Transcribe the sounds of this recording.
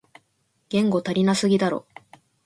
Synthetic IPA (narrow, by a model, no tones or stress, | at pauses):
ɡ̥ẽ̞ŋɡo̞t̪aɾʲinasɨɡʲid̪aɾo̞̰